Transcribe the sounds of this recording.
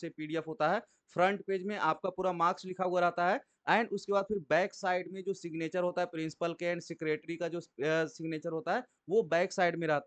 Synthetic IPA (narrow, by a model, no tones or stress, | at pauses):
sepiːɖiɛfɦoːt̪aɦɛː | fʰɾə̃ɳʈpeːd͡ʒmẽʔaːp̚kapuːɾamaːkslɪkʰaɦuaɾɐɦt̪aɦɛ | ɛ̃ːnʊskebaːd̪̚pʰɪɾbɛ̃ːksaːɪɖmẽd͡ʒoːsɪɡneːt͡ʃəɾɦoːt̪aɦɛpɾɪ̃nsɪ̥pəlkɛːnsɪkɾeːʈɾikad͡ʒoːsɪɡneːt͡ʃəɾɦoːt̪aɦɛː | ʋobɛ̃ːksaːɪɖmẽɾɐɦt̪a